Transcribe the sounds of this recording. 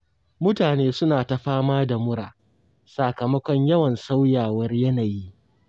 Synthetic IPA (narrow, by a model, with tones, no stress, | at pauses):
mʊ˦taː˨neː˦sʊ˦naː˨ta˨ɸaː˦maː˦da˨mʊ˦ɽa̰ː˨ | sa˨kɐ˨mɐ˦kʷɔ˦ɲjɐ˦wɐ˨nsa˦wjaː˨wɐ˦rjɐ˦naː˨ji˦ʔ